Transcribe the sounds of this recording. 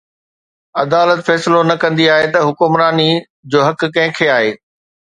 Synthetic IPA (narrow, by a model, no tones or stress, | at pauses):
ɐd̪aːlət̪fɛːsɪlonɐkɐ̃nd̪iaːɦet̪ɐɦʊkʊmɾaːni | d͡ʑoːɦɐkkɐ̃ɦɪ̃kʰeaːɦeː